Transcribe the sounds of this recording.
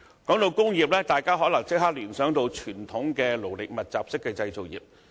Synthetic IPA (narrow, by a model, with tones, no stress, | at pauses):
kɔː˨˥ŋt̪o˨˧wkʊ˥ŋjiː˨p̚lɛː˥t̪aː˨jkaː˥ɦɔː˨˥lɐ˨˩ŋt͡sɪ˥k̚haː˥k̚lyː˨˩nsœː˨˥ŋt̪o˧wt͡ʃʰyː˨˩nt̪ʰʊ˨˥ŋkɛː˧lo˨˩wlɪ˨k̚mɐ˨t̚t͡saː˨p̚sɪ˥kːɛː˧t͡sɐ˧jt͡so˨wjḭː˨˩p̚